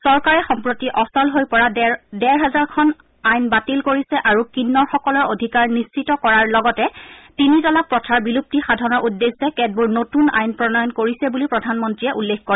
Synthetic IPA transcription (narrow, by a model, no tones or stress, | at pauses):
sɔɹkaɹɛxɔmpɹotiʔɔsɔlɦojpɔɹadɛɹɦazaɹkʰɔn | ajnbatilkoɹisɛʔaɹukinːɔɹxɔkɔlɔɹodʱikaɹnist͡ʃitɔkɔɹaɹlɔɡɔtɛtinitɔlak̚pɹɔtʰaɹbilup̚tixadʱɔnɔɹʔudːesɛkɛd̚buɹnotuna̰jnpɹɔnɔjɔnkoɹisɛbulipɹɔdʱanmɔntɹijɛʔulːekkoɹɛ